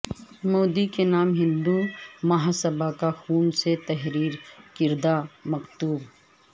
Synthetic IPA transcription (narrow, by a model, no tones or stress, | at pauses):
moːd̪ikenaːmɦɪ̃nd̪umɐɦasəbakaxuːnset̪ɛɦɾiːɾkɪɾd̪amɐkt̪uːb